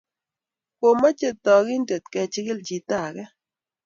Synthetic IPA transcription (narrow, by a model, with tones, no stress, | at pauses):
ko˨mɔ˦t͡ʃe˦t̪ɔ˨ɡɪ˦ndə˨t̪̚kɛ˨t͡ʃɪ˦ɡɪ˦ld͡ʒi˨t̪a˨ɡɛ˦